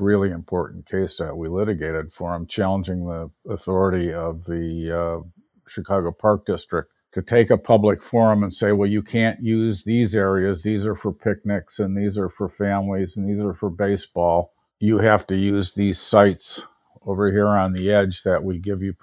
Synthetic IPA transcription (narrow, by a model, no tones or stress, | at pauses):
ɹɪlˠiɨ̃mpʰɔɹʔn̩kʰeɪsðɨʔ̚wilɪɾɨɡeɪɾɨd̥fə˞ãɪ̃mt͡ʃʰælˠə̃nd͡ʒɪ̃ŋðiəθɔɹɨɾiʌvði | ʃɨkʰɑɡoʊpʰɑɹk̚d̥ɪstɹ̥ɨk̚ | tʰɨtʰeɪkəpʰʌblɨkfɔɹɨ̃mə̃nseɪwɛlˠjɨkʰæ̃njʉzðizɛɹiɨzðizə˞fə˞pʰɪk̚nɪksɨ̃nðizə˞fə˞fæ̃mlizn̩ðizə˞fə˞beɪsb̥ɔlˠ | jɨhæftɨjʉzðiz̥saɪts | oʊvə˞hiɹə̃nðiɛd͡ʒðɨʔ̚wiɡɪvjɨ